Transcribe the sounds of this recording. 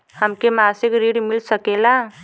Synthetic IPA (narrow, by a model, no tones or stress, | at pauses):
həmkemasɪkɾiɽmilsəkela